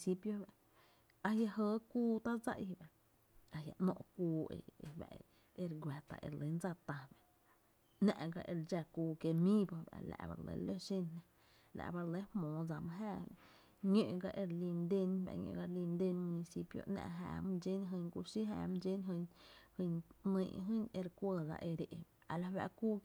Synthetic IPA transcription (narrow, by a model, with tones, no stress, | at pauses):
si˦pjo˦ba˨ʔ | a˧ja˧ɦəː˧˦kuː˦t̪a˦d͡za̰˦ʔjba˨ʔ | a˧hja˨ʔnɔ̰̃˧ʔkuː˧ḛ˧e˧ba̰˨ | e˧ɾɡʷa˨t̪a̰˧˨ʔḛ˧˨ɾle˨˦nd͡za˦˧˨t̪ã˧˨ba˨ | nã˧ʔɡa˧ʔe˧ɾd͡ʒa˧kuː˧˨ke˧mĩː˦bo˧ba̰˨la̰˧˨ba̰˧lḛ˧˦lo˦ʃi˦˧nnã˧ | la̰˧˨ʔba˧ɾle˦hmõː˨d͡za˧mɨ̃˧ɦa˦˧˨ | ɲo˧ʔɡa˧ʔe˧ɾli˧nd̪e˦˧nba̰˧˨ɲõ̰˧ʔɡa˧ɾli˧nd̪e˧nmũ˧ni˧si˧pjo̰˧ʔnã̰˧ʔɦa̰ː˧˨m˦d͡ʒe˦nɦɨ˧ŋku˧ʃi˦ɦa˧˨m̃˧d͡ʒe˦nɦɨ˧hɨ˧ɲnə̃˧˨ʔɦɨ̃˦ne˧ɾkʷə˧d͡za̰˧ʔe˧ɾe˨ʔ | a˧la˧˨ba˧˨kuː˦